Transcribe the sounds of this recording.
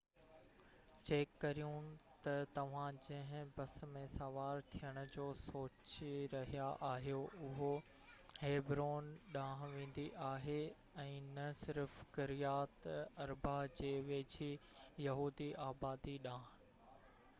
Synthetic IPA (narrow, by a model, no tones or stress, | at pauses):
t͡ɕeːkːɐɾijũt̪ɐt̪ɐʋ̤ãd͡ʑɐ̃ɦɪ̃bɐsmẽsɐʋaːɾt̪ʰijəɽ̃ʊ̆d͡ʑoːsoːt͡ɕiɾɐɦijaʔaːɦijoʊɦo | heːbɾoːnɗãːɦʋẽːn̆d̪iʔaːɦe | ɛ̃ːnɐsɪɾfkɪɾijaːt̪ɐɾbʱad͡ʑeːʋeːd͡ʑʰijɐɦuːd̪iaːbaːd̪iɗãːɦ